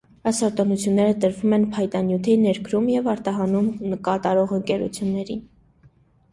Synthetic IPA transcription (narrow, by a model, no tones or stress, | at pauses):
ɑjsɔɾt̪ɔnut͡sʰjunːɛɾət̪əɾvumɛnpʰɑjt̪ɑnjut̪ʰinɛɾɡɾumjɛvɑɾt̪ɑɦɑnumnəkɑt̪ɑɾɔʁəŋkɛɾṵt͡sʰjunːɛɾin